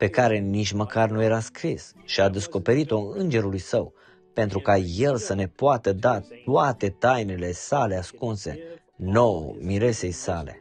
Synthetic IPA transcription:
pe̞kaɾe̞nit͡ʃməkarnuje̞ɾaskɾis | ʃiad̪e̞sko̞pe̞ɾit̪o̞ɨnd͡ʒe̞ɾulujsəw | pe̞nt̪ɾukaje̞lsəne̞poat̪əd̪at̪uat̪e̞t̪ajnele̞sale̞askunse̞ | no̞o̰miɾe̞se̞jsale̞̰

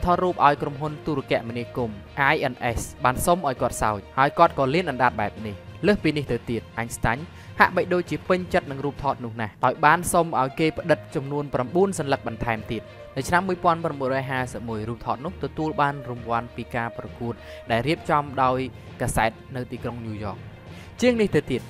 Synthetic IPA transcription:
t̪ʰɑːt̪̚ruːp̚ʔaɔjkromɦunt̪uːɾokɛ̆əʔminiəkumʔajʔənʔɛsɓaːnsomʔaɔjkŏət̪̚sa̰ɔc̚haəjkŏət̪̚kɑːliənʔɑnɗat̪̚ɓaɛp̚nihləːhpiːniht̪ɨwt̪iət̪̚ʔaɲst̪aɲ | ha̰ʔɓəc̚ɗoːc̚t͡ɕiəpɨɲt͡ɕət̪̚nɨŋruːp̚t̪ʰɑːt̪̚nʊ̆əhnahɗaɔjɓaːnsomʔaɔjkeːpə̆ɗɨt̪̚t͡ɕɑmnuənpramɓuənsɑnlək̚ɓɑnt̪ʰaɛmt̪iət̪̚ | nɨwt͡ɕʰnamːuəjpŏənpramɓuənɾrɔːjɦaːsəp̚muəjruːp̚t̪ʰɑːt̪̚nʊ̆əht̪ɔt̪uəlɓaːnrumʋŏənpiːkaːprɑkuət̪̚ | ɗaɛlriəp̚t͡ɕɑmɗaɔj | kaːsaɛt̪̚nɨwt̪iːkroŋnuːjɔ̰ːk̚ | t͡ɕiəŋniht̪ɨwt̪iət̪̚

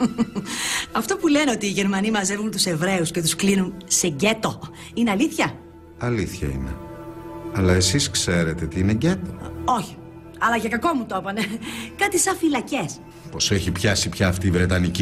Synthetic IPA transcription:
ɐft̪o̞pule̞neo̞t̪iːʝe̞ɾmɐnimɐze̞vɣunt̪use̞vɾe̞uscet̪usklinunse̞ɟe̞t̪o̞ | ine̞ɐliθçɐ | ɐliθçɐ̰ḭnḛ | ɐlɐe̞siskse̞ɾe̞t̪et̪iineɟet̪oo̞çi̥ | ɐlɐʝɐkɐko̞mut̪opɐne̞kɐt̪isɐ̃filɐce̞s | po̞seçipçɐsipçɐːft̪iːvɾe̞t̪ɐnici

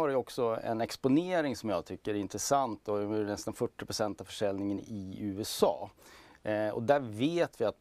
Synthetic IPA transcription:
haɾɛjɔksɔɛ̰nɛkspʊneːɾɪŋsɔmjɑːt̪ʰʏkːəɾɛɾɪnt̪ɾɛsant̪d̪ɔnɛst̪anfœʈːɪpʰɾʊsɛnt̪avfœʂɛlnɪŋənɪʉ̟ːɛsɑ̰ː | ɔ̰d̪æɾveːt̪vɪat̪̚

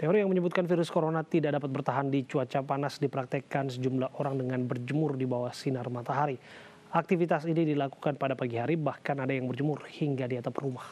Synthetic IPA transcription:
t̪eoɾijaŋməɲəbʊt̪̚kanfiɾʊskoɾonat̪idadapat̪̚bərt̪aɦandit͡ʃuat͡ʃapanasdipɾak̚t̪ekansəd͡ʒumlahʔoɾaŋdəŋanbərd͡ʒəmʊrdibawahsinarmat̪aɦaɾi | ak̚t̪ifit̪asinidilaku̥kanpadapaɡiɦaɾibahkanadajaŋbərd͡ʒəmʊrhiŋɡadiat̪aprumah

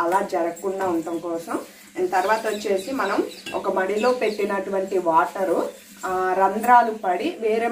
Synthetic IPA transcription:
ɐlaːd͡ʒɐɾɐkːuɳɖaːuɳʈɐmkɔːsɐm | nt̪ɐɾʋaːt̪ɐɐt͡ʃːe̞ːsimɐnɐmɔ̰kɐmɐɽiloːpe̞ʈːinɐʈuʋɐɳʈiʋaːʈɐɾu | ɾɐnd̪ɾaːlupɐɽiʋeːɾeː

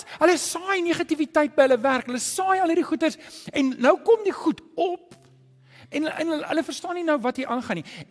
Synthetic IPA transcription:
ɦələsɑːjniːχɐtivitɐjt̚bəjɦələværkɦələsɑːjɐləɾiχutərsɛnːœwkɔmdiχutɔp | ɛnə̰nəɦə̰ləfərstɑːninəwvɐtɦiʔɑːnχɐni

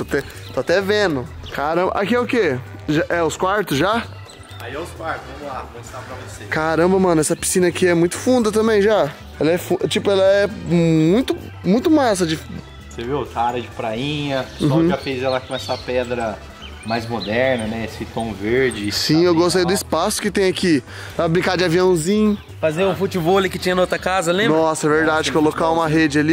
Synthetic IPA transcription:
t̪t̪ɛ | t̪oat̪ɛvẽnʊkʰaɾɐ̃bɐ̰ʔakiɛʊkeʒaʔɛʊskwaɾt̪ʊsʒa | aiɛʊskwaɾt̪ʊzvɐ̃mʊlakõst̪aɾɐvosekaɾɐ̃bɐmɐ̃nʊɛsɐpi̥sĩnɐkɪɛmũj̃t̪ʊ̥fũnd̪ɐt̪ɐ̃mbẽj̃ʒa | ɛlɐɛfũt͡ʃipʊɛlɐɛmũj̃t̪ʊ | mũj̃t̪ʊmas̬ɐd͡ʒɪf | sevewɛsɐaɾɐd͡ʒɪpɾaĩɲɐ̃ʒafejzɛlɐkõɛsɐpɛd̪ɾɐ | majzmod̪ɛɾnɐnɛesɪt̪õw̃veɾd͡ʒɪssĩewɡost̪ejd̪ʊispasʊ̥kɪt̪ẽj̃aki | apɾɐbɾĩŋkaɾd͡ʒɪaviɐ̃w̃zĩɲʊ | fazeʊ̃fut͡ʃibolikɪt͡ʃĩɲɐnɐot̪ɾɐkazɐlẽmbnɔsɐɛveɾd̪ad͡ʒɪkeolokaũmɐɦed͡ʒɪali

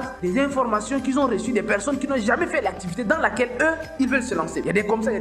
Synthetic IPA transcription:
d̪ɛzɛ̃fɔʁmasjɔ̃kilzɔ̃ʁəsyd̪ɛpɛʁsɔnkʲinɔ̃ʒamɛfɛlak̚t̪ivit̪ed̪ɑ̃lakɛløilvœlsəlɑ̃sejad̪ɛkɔmsaja

